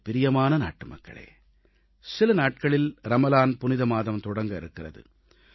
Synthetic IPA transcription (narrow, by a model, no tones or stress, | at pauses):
pɪɾɪjɐmaːnɐna̰ːʈːɯmɐkːɐ̰ɭḛː | sɪlɐnaːʈ̚kɐɭɪlɾɐmɐlaːnpʊnɪðɐmaːðɐmt̪ɔɽɐŋɡɐɪ̰ɾɯkːɪrɐðɯ̰